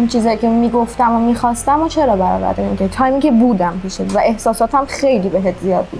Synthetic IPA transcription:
unt͡ʃʰiːzɒːjicʰe̞miːɡo̞ft̪æmomiːxɒːst̪æmot͡ʃʰe̞ɾɒːbæɾɒ̰ːvæ̰ɾd̪enmikʰet̪ʰɒːjmiŋcʲʰe̞buːd̪æmpʰiːʃevæʔe̞hsɒːsɒːt̪ʰæmxe̞jliːbeɦet̪zijɒːd̪̚bṵd̪

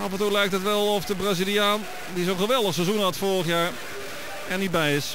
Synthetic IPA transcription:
ɑpəɹtolɛjk̚tətʋɛlˠɔfdəbrazilˠiaːn | disonχəʋɛlˠdəχsɛzunɦɑtfoːrəχjaːɹ | ɛnit̚bɛjɪs

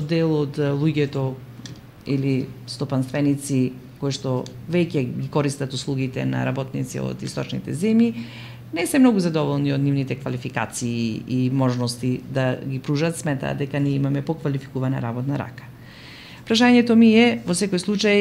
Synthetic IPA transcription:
d̪ɛlˠod̪lˠuɟɛt̪ɔ | ilist̪ɔpanst̪vɛnit̪si | kojʃt̪ɔvɛcɛɡikɔɾist̪at̪uslˠuɡit̪ɛ̰na̰ɾabɔt̪nit̪sḭo̰d̪ist̪ɔt͡ʃnḭt̪ɛ̰zɛmji | nɛsɛmnɔɡuzad̪ɔvɔlˠniod̪nivnit̪ɛkvalifika̰t̪siːimɔʒnɔst̪id̪aɡipɾuʒat̪smɛt̪a̰ːd̪ɛkaniɛimamɛpɔkvalifi̥kuvana̰ɾabɔt̪naɾa̰kḁ | pɾaʃaɲɛt̪ɔmiɛvɔsɛkojslˠut͡ʃaj

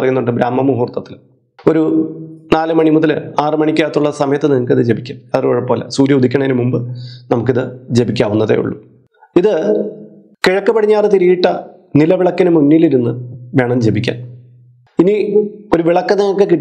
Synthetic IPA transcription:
rɐjːunːuɳɖɨbɾaːmːɐmuɦuːrt̪ːɐt̪ːil | o̞ɾunaːlɨmɐɳimuðɐlaːrɨmɐɳikʲːaːt̪ːuɭːɐsɐmɐjɐt̪ːɨniŋɐkːiðɨd͡ʑe̞bikʲːaːnɐðɐroːɻɐpo̞ːlḛsuːɾjɐud̪ʱikʲːɐɳɐeinɨmumbɨnɐmuk̬ːiðɨd͡ʑe̞bikʲːaːʋunːɐðḛjṵɭːṵ | iðɨ | kiɻɐkːɨpɐɽiɲːaːrɨt̪iɾijiʈːɐ | nilɐʋiɭɐkːɐnɨmunːiliɾunːɨʋe̞ːɳɐmd͡ʑe̞bikʲːa̰ːn | inio̞ɾuʋiɭɐkːɐneokːekiʈː

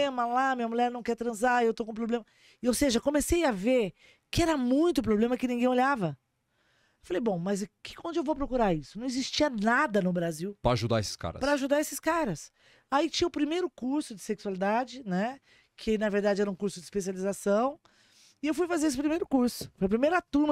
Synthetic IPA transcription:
ẽmɐlamĩɲɐmuʎɛɾnɐ̃w̃kɛɾt̪ɾɐ̃zaewt̪okõp̬ɾoblẽmɐ | owseʒɐkõmesejaveɾ | kɪɛɾɐmũj̃t̪ʊp̬ɾoblẽmɐkɪnĩŋɡẽj̃olʎavɐ | ewfalejbõw̃mɐzkɪ̥kõnd͡ʒ̪ɪewvowp̬ɾokuɾaɾisʊnɐ̃w̃ɪzist͡ʃiɐnad̪ɐnʊbɾaziwpɾɐaʒud̪a̰esɪ̥ska̰ɾɐ̰pɾɾɐaʒud̪aɾesɪskaɾɐs | ait͡ʃĩɲɐʊpɾimejɾʊkuɾsʊd͡ʒɪ̥seksualid̪ad͡ʒɪnɛ | kʰɪnɐveɾd̪ad͡ʒɪɛɾɐũkuɾsʊd͡ʒɪspesializasɐ̃w̃ | ɪewfujfazeɾes̬ɪpɾimejɾʊkuɾsʊ̥fojɐp̬ɾimejɾat̪uɾm

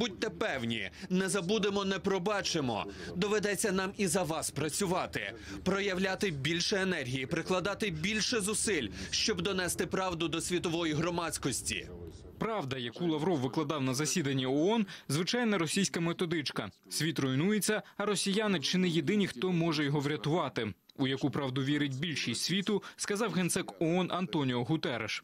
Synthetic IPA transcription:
butʲt̪ɛpɛwnʲḭnɛzɐbud̪emɔnɛpɾɔbɑt͡ʃemɔ̰d̪ɔʋed̪ɛt͡sʲːɐnɑmizɐʋɑspɾɐt͡sʲʊʋɑt̪ɪ̰ | pɾɔjɐwlʲat̪ɪbʲilʲʃɛenɛrʲɦʲijipɾɪklˠɐd̪ɑt̪ɪbʲilʲʃɛzʊsɪlʲʃt͡ʃɔbd̪ɔnɛst̪ɪpɾɑwd̪ʊd̪ɔsʲʋʲit̪ɔʋɔjiɦɾɔmɑsʲkɔsʲtʲḭ | pɾɑʋd̪ɐjɐkulˠɐʋɾɔwʋɪklˠɐd̪ɑwnɐzɐsʲid̪ɐnʲːiɔɔnzʋɪt͡ʃɑjnɐɾɔsʲijsʲkɐmet̪ɔd̪ɪt͡ʃkɐ | sʲʋʲit̪rɔjnujet͡sʲːɐɐɾɔsʲijanɪt͡ʃɪnɛjed̪ɪnʲixt̪ɔmɔʒɛjɔɦɔʋɾʲɐt̪ʊʋɑt̪ɪ | ʊjɐkupɾɑwd̪ʊʋʲiɾɪtʲbʲilʲʃisʲʋʲit̪ʊskɐzɑwɦent̪sɛkɔɔnʔɐnt̪ɔnʲiɔɦʊt̪ɛɾḛʃ

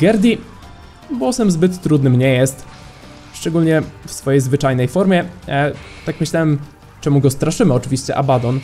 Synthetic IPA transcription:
ɡɛɾd̪ʲi | bwɔsɛmzbɘt̪ːɾud̪nɘmɲɛjɛst̪ | ʂt͡ʂɛɡulɲɛfsfɔjejzvɘt͡ʂajnɛjfɔɾmʲjɛ | t̪akmɘɕlawɛm | t͡ʂɛmuɡɔst̪ɾaʂɘmɘɔt͡ʂɘvʲiɕt͡ɕɛʔabad̪ɔn

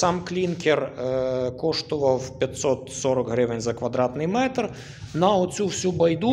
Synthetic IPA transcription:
samklʲinkʰʲɛr | kɔʂt̪ʊʋɐwpʲjɐt̪ʲsɔt̪sɔɾɐkɦɾɪʋɪnʲzɐkʋɐd̪ɾat̪nɪjmɛt̪r | nɐɔt͡sʲufsʲubɐjd̪u

